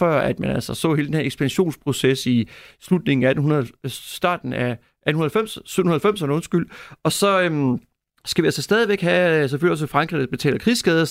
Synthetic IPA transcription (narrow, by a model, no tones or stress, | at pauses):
fɶɐ̰æd̥mænælsɐsɔ̰ːhe̝ld̥enhe̝ɐeɡ̥sb̥ænɕo̝̰ːnspʰʁo̝sesislud̥ne̝ŋ̩ææd̥n̩ɦunɐðˠsd̥ɑ̰̈ːd̥n̩æ | ʔæd̥n̩unɐðˠælfem̰ssyðˠnhunɐælfem̰sɐnəɔ̽nsɡ̥yl̰ɒ̽sɒ̽ø | sɡ̥æʋiælsɐsd̥ɛːð̞ˠiʋeɡ̥ɦæs̬eføl̰iɒ̽sefʁɑ̈ŋɡ̥ʁḭð̩ˠb̥e̝t͡sʰɛ̰ːlɐkʰʁiːsɡ̥ɛːð̞ˠɐ